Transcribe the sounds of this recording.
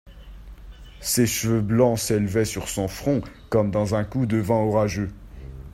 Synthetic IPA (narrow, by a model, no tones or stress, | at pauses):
seʃvøblɑ̃selvɛsyʁsɔ̃fχɔ̃kɔmd̪ɑ̃zɛ̃kud̪əvɑ̃ɔʁaʒø